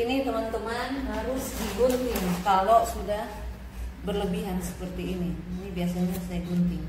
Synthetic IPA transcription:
init̪əmant̪əmanɦaɾʊsdiɡont̪ɪŋkalosudah | bərləbiɦansə̥pərt̪iːniinibiasaɲasajaɡunt̪ɪŋ

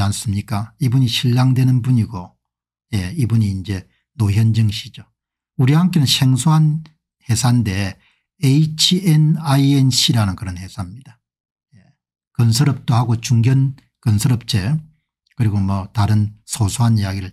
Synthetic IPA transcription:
ans͈ɯmɲik͈aibuɲiɕʰiʎːaŋdwe̞nɯnbuɲiɡo | je̞ibuɲiːnd͡ʑe̞ | noçjʌnd͡ʑɯŋɕʰid͡ʑo | uɾiɦamk̬͈enɯnɕʰeŋsʰoɦan | he̞sʰande̞ | eit͡ɕʰiʔenaienɕʰiɾanɯnkɯɾʌnhe̞sʰamɲid̥a | je̞ | kʌnsʰʌɾʌp̚t͈ohaɡot͡ɕuŋɡjʌn | kʌnsʰʌɾʌp̚t͡ɕ͈e̞ | kɯɾiɡomwʌtaɾɯnsʰosʰoɦanijaɡiɾɯɭ

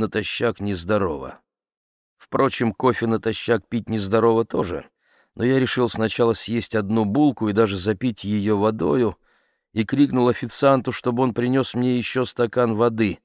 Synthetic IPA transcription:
nət̪ɐɕːaknʲɪzd̪ɐɾo̞və̰ | fpɾo̞t͡ɕɪmko̞fʲɪnət̪ɐɕːak̚pʲit̚ʲnʲɪzd̪ɐɾo̞vət̪o̞ʐɨ̰ | nʔo̞jaɾʲɪʂɨlˠsnɐt͡ɕalˠəsʲjesʲtʲɐd̪̚nubulˠkʊid̪aʐɨzɐpʲitʲjɪjo̞vɐd̪o̞jʊ | ikɾʲiknʊlˠɐfʲɪt̪sɨant̪ʊʂt̪o̞bɨo̞npɾʲɪnʲo̞smnʲejɪɕːo̞st̪ɐkanvɐd̪ɨ

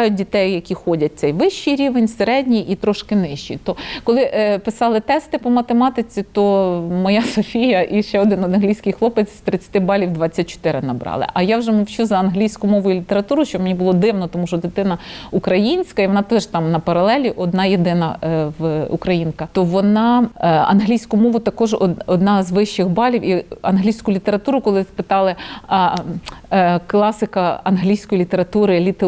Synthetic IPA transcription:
jʊt̚ʲdʲit̪ɛjjɐkʲixɔdʲɐt̚ʲt̪sɛjʋɪʃt͡ʃijɾʲiʋenʲseɾɛdʲnʲijʔit̪ɾɔʃkɪnɪʃt͡ʃḭt̪ɔkɔlˠɪʔpɪsɑlˠɪt̪ɛst̪ɪpɔmɐt̪emɑt̪ɪt͡sʲit̪ɔmɔjɑsɔfʲijɐʔiʃt͡ʃɛɔd̪ɪnɔd̪ɐnɦlʲijsʲkɪjxlˠɔpɪt͡sʲst̪ɾɪt͡sʲːɐ̥t̪ɪbɑlʲiwd̪ʋɑt͡sʲːɐt̚ʲt͡ʃɔ̥t̪ɪɾɪnɐbɾɑ̰lˠɪ̰ʔɐjawʒɛmɔwt͡ʃuzɐɐnɦlʲijsʲkʊmɔʋʊjʊlʲit̪eɾɐt̪uɾʊʃt͡ʃɔbmenʲibʊlˠɔd̪ɪwnɔt̪ɔmuʃɔd̪ɪt̪ɪnɐukɾɐjinʲsʲkɐiʋɔnɑt̪ɛʒt̪ɑmnɐpɐɾɐlˠɛlʲiʔɔd̪nɑjed̪ɪnɐʋṵkɾɐjinkɐt̪ɔʋɔnɑɐ̰nɦlʲijsʲkʊmɔʋʊt̪ɐkɔʒɔ̰ɔd̪nɑzʋɪʃt͡ʃɪxbɑlʲiwiɐnɦlʲijsʲkʊlʲit̪eɾɐt̪uɾʊkɔlˠɪspɪt̪ɑlˠɪ | klˠɑsɪkɐɐnɦlʲijsʲkɔjilʲit̪eɾɐt̪uɾɪlʲit̪

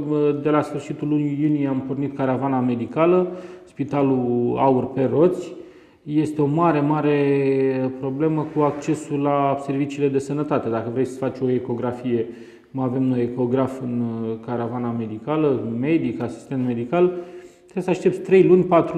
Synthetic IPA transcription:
d̪e̞lasfɨrʃit̪ulːunijunijeampo̞rnit̪kaɾavaname̞d̪ikaləspit̪aluaurpe̞ro̞t̪sʲ | je̞st̪e̞o̞maɾe̞maɾe̞ | pɾo̞ble̞məkuak̚t͡ʃe̞sulase̞rvit͡ʃiːle̞d̪e̞sənət̪at̪e̞d̪akəvɾe̞jsə̥fat͡ʃʲo̞e̞ko̞ɡɾafije̞ | kumave̞mno̞jeko̞ɡɾafɨnkaɾavaname̞d̪ikaləme̞d̪ikasi̥st̪e̞nt̪med̪ikalt̪ɾesəaʃt̪e̞p̚t̪ʲt̪ɾe̞jlunʲpat̪ɾu

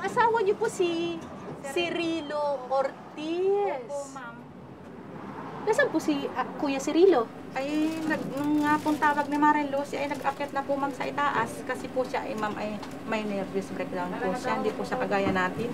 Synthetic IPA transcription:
ŋʔɐsaːwɐɲoposi | sɪɾiːlomoɾt̪i | m | ɡɐsad̪̚pʊsiʔkuːjɐsɪɾiːlo̞ | ʔɐjnɐɡ̚nʊŋŋapʊŋt̪aːwɐɡ̚nimaɾɛnlosʔɐjnɐɡʔɐpɛt̪nɐpʊmamsɐʔɪt̪aːʔɐskɐsɛpʊʃaʔɐjmamʔɐj | mɐjnɛɾbjosbɾɛkd̪anɡoʃand̪iposɐkɐɡaːjɐnaːt̪ɪn

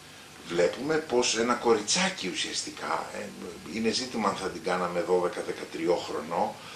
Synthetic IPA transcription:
vle̞pume̞po̞se̞nɐko̞ɾit͡sɐciusiɐst̪ikʰɐ̰ | ine̞zit̪imɐɐnθɐd̪iɡɐnɐme̞ðo̞ðe̞kɐðe̞kɐt̪ɾio̞xɾo̞̰no̞

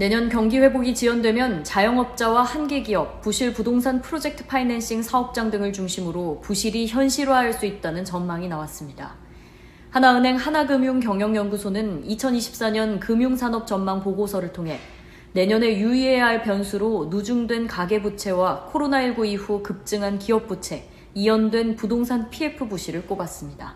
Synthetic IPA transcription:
ne̞ɲʌnkjʌŋɡiɸwe̞boɡit͡ɕiwʌndwe̞mjʌnt͡ɕajʌŋʌp̚t͡ɕ͈awahanɡe̞ɡiʌk̚p͈uɕʰiɭpudoŋsʰanpʰɯɾod͡ʑe̞k̚tʰɯ̥pʰainenɕ͈iŋsʰaʌp̚t͡ɕ͈aŋdɯŋɯɭt͡ɕuŋɕʰimɯɾopuɕʰiɾiçjʌnɕʰiɾaɦaɭs͈uit̚t͈anɯnt͡ɕʌnmaŋinawas͈ɯmɲida̰ | hanaɯnɦe̞ŋhanaɡɯmjuŋkjʌŋjʌŋjʌnɡusʰonɯnit͡ɕʰʌniɕʰi̥p̚s͈aɲʌnkɯmjuŋsʰanʌp̚t͡ɕʌnmaŋpoɡosʰʌɾɯɭtʰoŋɦe̞ | ne̞ɲʌne̞juie̞aɭpjʌnsʰuɾonud͡ʑuŋdwe̞nkaɡe̞but͡ɕʰe̞wakʰoɾonaiɭɡuiɸukɯp̚t͡ɕ͈ɯŋɦankiʌp̚p͈ut͡ɕʰe̞ | ijʌndwe̞npudoŋs̬ʰanpʰie̞pʰɯbuɕʰiɾɯɭk͈obas͈ɯmɲida̰

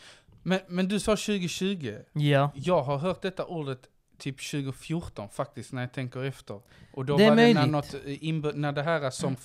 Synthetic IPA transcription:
mɛnmɛnd̪ɵsɑːɕʉ̟ːɡəɕʉ̟ːɡəjɑːɡɦaɾɦœːʈ̪̚d̪ɛt̪ːaʔuːɖət̪ʰː | yːpɕʉ̟ːɡʊfjʊʈɔnfak̚t̪ɪst̪næɾjɑt̪ʰɛŋkəɾɛft̪əɾ | ʔɔd̪ɔamlnænɔt̪ːɪnbnæɖɛɦæːɾasɔm

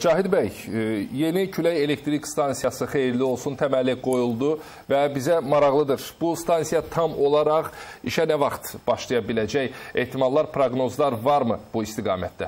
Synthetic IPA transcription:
d͡ʒɑːɦid̪bæjje̞nicʰylæje̞le̞kt̪ɾikst̪ɑnsijɑsɯχe̞jiɾlio̞lˠsunt̪ʰæmælːiɡo̞julˠd̪u | væbizæmɑɾɑʁlˠɯd̪ɯɾb̥ust̪ɑnsijɑt̪ʰɑmo̞lˠɑɾɑʁ | iʃænævɑχt̪b̥ɑʃlˠijɑbilæd͡ʒæje̞̰ht̪ʰimɑlˠlːˠɑɾpʰɾoɡno̞zlˠɑɾvɑɾmɯb̥uist̪iɡɑ̰ːmæ̰t̪̚d̪æ̰

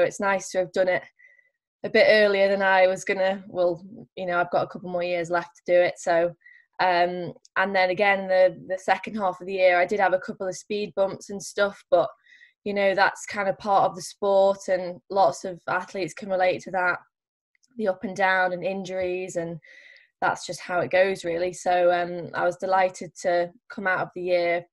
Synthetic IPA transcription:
ʊɪtsnaɪstʰəːvdʌ̃nɪt | əbɪtɜːlˠiəðə̃naɪwɒzɡʊnəwɛlˠjɨnoʊaɪvɡɒtəkʰʊpl̩ˠmɔːɹjɪəzlɛftʰədəɪtsoʊ | ʌ̃m | ʔə̃nðə̃nəɡɛ̃ñnðəðəsɛkə̃nd̥̚ɦɑˑfəvðəjɪəɹaɪdɪd̚əvəkʰʊpl̩ˠəv̥spiːd̚bʊ̃mpsə̃nstʊfb̥ʌʔ | jənoʊða̰tskʰãɪ̃ndəpʰɑɹtəvðəspɔˑtə̃nlɒtsəvaθliˑtskʰə̃nɹɪleɪtʰəðəʔ | ðiʊpə̃ndãʊ̃nə̃nɪ̃nd͡ʒəɹizə̃n | ða̰tsd̥ʒ̥ʌst̚haʊɪʔ̚ɡ̥oʊzɹɪːlˠisoʊʌ̃ma̰ɪwɒzdɪlaɪtʰɪd̚tʰəkʰʊ̃maʊtəvðəjɪə

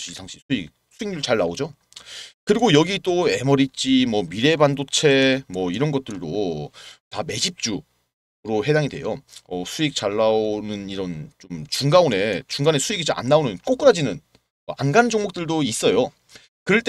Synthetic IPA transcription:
ɕitaŋɕʰisʰuik̚sʰuiŋɲuɭt͡ɕaɭːaod͡ʑo | kɯɾiɡojʌɡit͈oe̞mʌɾit͡ɕ͈imwʌmiɾe̞bandot͡ɕʰe̞mwʌiɾʌnɡʌt̚t͈ɯɭdo | tame̞d͡ʑip̚t͡ɕ͈u | ɾoɦe̞daŋidwe̞̰joʌsʰuik̚t͡ɕ͈aɭːaonɯniɾʌnt͡ɕomt͡ɕuŋɡaone̞t͡ɕuŋɡane̞sʰuiɡit͡ɕomʔa̰nːaonɯnk͈ok͈ɯɾad͡ʑinɯn | ʌanɡand͡ʑoŋmok̚t͈ɯɭdois͈ʌjo | kɯɾʌɭt͈e

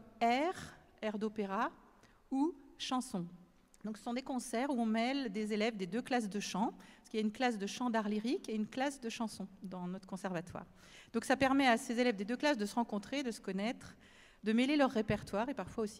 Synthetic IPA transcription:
ɛʁ | ɛʁd̪opeʁa | uʃɑ̃sɔ̃ | d̪ɔ̃ksə̥sɔ̃d̪ekɔ̃sɛʁuɔ̃mɛld̪ezelɛvd̪ed̪øklas̬d̪əʃɑ̃sə̥kiljaynklasd̪əʃɑ̃d̪aʁliʁikeynklasd̪əʃɑ̃sɔ̃d̪ɑ̃nɔt̪χəkɔ̃sɛʁvat̪wa̰ːʁ | d̪ɔ̃ksapɛʁmɛasezelɛvd̪ed̪øklasd̪əsəʁɑ̃kɔ̃t̪χed̪əsə̥kɔnɛt̪χ | d̪əmelelœʁːepɛʁt̪waʁepaʁfwaosi̥

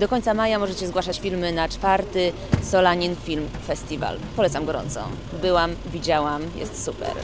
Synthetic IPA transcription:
d̪ɔkɔɲʲt̪samajamɔʐɛt͡ɕɛzɡwaʂat͡ɕfʲilmɘnat͡ʂfaɾt̪ɘ | sɔlaɲinfʲilmfɛsʲt̪ʲiva̰lpɔlɛt̪samɡɔɾɔ̰nt̪sɔ̰ | bɘwamvʲid͡ʑawamjɛ̰st̪supɛ̰ɾ

